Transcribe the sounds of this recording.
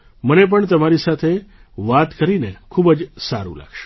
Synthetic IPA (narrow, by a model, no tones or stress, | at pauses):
mənep̬əɳt̪əmaɾisat̪ʰe | ʋat̪kəɾinekʰubd͡ʒsa̰ɾṵ̃la̰ɡʃo̥